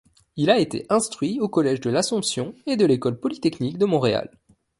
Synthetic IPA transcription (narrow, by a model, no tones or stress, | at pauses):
ilaet̪ḛʔɛ̃st̪χɥiokɔlɛʒd̪əlasɔ̃psjɔ̃ed̪əlekɔlpɔlit̪ɛknikd̪əmɔ̃ʁea̰l